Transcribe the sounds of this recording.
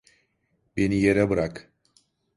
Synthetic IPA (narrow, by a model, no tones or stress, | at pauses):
benijeɾɛbɯɾak